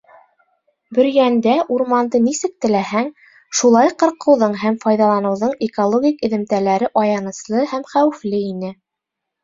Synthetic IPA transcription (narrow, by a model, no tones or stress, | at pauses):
bɵ̆ɾjænd̪æʔuɾmɑnd̪ɤnisɘk̚t̪ɘ̆læɦæŋ | ʃulˠɑjqɤ̆ɾqɤ̆wðɤɴɦæmfɑjðɑlˠɑnɤ̆wðɤɴekolˠoɡʲikɘ̆ðɘ̆mt̪ælæɾɘʔɑjɑnɤ̆slˠɤhæmχæwɘ̆flɘinɘ